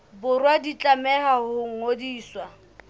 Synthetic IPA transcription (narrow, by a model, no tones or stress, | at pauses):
bʊrwadit͡ɬʼamɛhahʊŋ̩odiːswa